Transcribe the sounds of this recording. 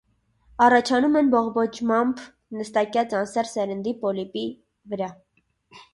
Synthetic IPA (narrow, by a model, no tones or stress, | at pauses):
ɑrɑt͡ʃʰɑnumɛnbɔʁbɔt͡ʃʰmɑmb | nəst̪ɑkjɑt͡sɑnsɛɾsɛɾənd̪ipɔlipi | vəɾɑ